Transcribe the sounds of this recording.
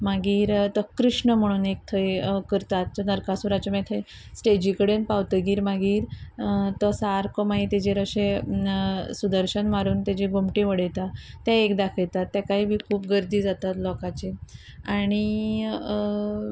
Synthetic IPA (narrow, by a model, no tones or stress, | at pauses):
maɡiːɾt̪əkɾiʂɳəm̤əɽ̃uːnek̚t̪ʰəjkəɾt̪at̪ːɔnəɾkasuɾat͡ɕəmet̪ʰəj | sʈed͡ʑikəɽenpaʋt̪əɡiːɾmaɡiːɾt̪ɔsaɾkɔmait̪ed͡ʑeɾəɕe | sud̪əɾɕənmaɾuːnt̪jad͡ʑiɡomʈĩʋəɽəjt̪at̪jãekd̪akʰəɭt̪at̪ːjakaɦiːbʱiːkʰuːp̚ɡəɾd̪iːd͡zat̪at̪lɔkat͡ɕe | aɽ̃i